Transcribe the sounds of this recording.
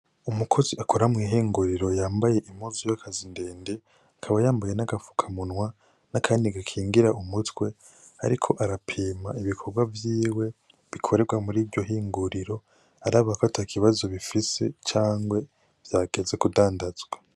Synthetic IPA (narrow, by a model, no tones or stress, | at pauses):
umukʰoziʔakʰoɾamŋiːɦiːŋɡuɾiɾo̞jaːmbaje̞ʔimuzujakʰazinde̞ːnde̞ | akʰaβajaːmbaje̞naɡafu̥kʰamunwa | nakʰaːndiɡakʰiːŋɡiɾaumutwe̞ | a̰ɾikʰo̞ʔaɾapʰiːmaiβikʰo̞ɾɡwavjiːwe̞ | βikʰo̞ɾe̞ɡwamuɾiːvɟo̞ɦiːŋɡuɾiɾo̞ | aɾaβakotʰakʰiβazo̞βifise̞t͡ʃaːŋɡwe̞ | v̥jaːɡ̥e̞ze̞kudaːndazɡwa